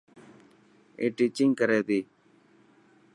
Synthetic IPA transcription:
eːʈit͡ʃɪŋɡkəɾeːd̪iː

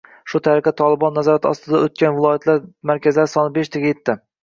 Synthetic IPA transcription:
ʃʊt̪ʰaɾɪqɛt̪ʰɒlˠɪbɒnːazɒɾat̪ʰɒ̰st̪ɪd̪aɵt̪̚kʲanvɪlˠɒjat̪ʰlaɾmaɾkʲazɪlaɾɪsɒnɪbeʃt̪ʰaɡʲajet̪ʰːɪ

